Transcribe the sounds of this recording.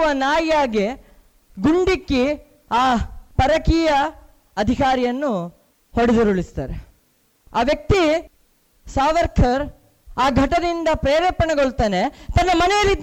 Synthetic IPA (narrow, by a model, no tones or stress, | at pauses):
ʋɐnaːjaːɡe | ɡuɳɖikːi | aːpɐɾɐkiːjɐ | ɐd̪ʱikaːɾijɐnːu | hoɽid̪uɾuɭist̪aːɾe | aːʋjɐk̚t̪i | saːʋɐɾkʰɐɾ | aːɡʱɐʈɐd̪ind̪ɐpɾeːɾeːpɐɳɐɡoɭt̪aːnet̪ɐnːɐmɐnɛjɐlːi